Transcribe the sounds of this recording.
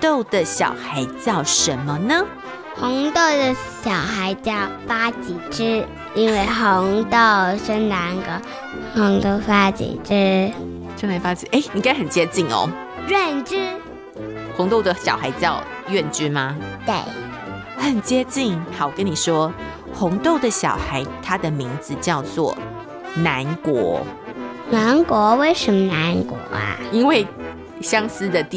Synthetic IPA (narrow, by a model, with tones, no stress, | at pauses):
t̪o˥˩ʊd̪ə˨ɕjɑ̰˨˩ʊxa˧˥ɪt͡ɕjɑ˥˩ʊʂə˧˦nmə˦nə˦ | xʊ˧˥ŋt̪o˥˩ʊd̪ə˨˩ɕjɑ˨˩ʊxa˧˥ɪt͡ɕjɑ˥˩ʊfa˥t͡ɕi˨˩ʈ͡ʂɻ̩˥ | i˥nwe˥˩ɪxo˧˥ŋt̪o˥˨˩ʊʂə˥nna˧˥ŋɡə˧˩ | hʊ˧˥ŋt̪o˥˧˩ʊfa˥t͡ɕḭ˨˩ʈ͡ʂɻ̩˥ | ʂə˥ŋna˧˥ɪfa˥t͡ɕḭ˨˩ʔe˥˩ɪni˨˩ka˥ɪxə˨˩nt͡ɕjɛ˥t͡ɕi˥˩ŋɔ̰˩ | ɥɛ˥˩nʈ͡ʂ̩˥ | xʊ˧˦ŋt̪o˥˩ʊd̪ə˨˩ɕjɑ˨ʊxa˧˥ɪt͡ɕjɑ˥˧ʊ | ɥɛ˥˨nt͡ɕy˥ma˨t̪e˥˩ɪ | hə˨˩nt͡ɕjɛ˥t͡ɕi˥˨˩ŋxɑ˨˩ʊkə˦ni˨˩ʂwɔ˥ | xʊ˧˥ŋt̪o˥˩ʊd̪ə˨ɕjɑ̰˨˩ʊxa˧˦ɪt̪ʰa˦˥d̪ə˨mi˧˥ŋd͡zɹ̩˨t͡ɕjɑ˥˧ʊt͡swɔ̰˥˩ | na˧˦nkwɔ̰˧˥˦ | na˧˥nkwɔ˧˥we˥˩ɪʂə˧˥mə˧na˧˥nkwɔ̰˧˥a̰˩i˥nwe˥˩ɪ | ɕjɑ˥ŋs̩˦˥d̪ə˨t̪